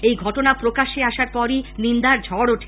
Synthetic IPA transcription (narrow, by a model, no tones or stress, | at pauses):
ejɡʱɔʈonapɾokaʃeaʃaɾpɔɾinind̪aɾd͡ʑʱɔɽoʈʰe̥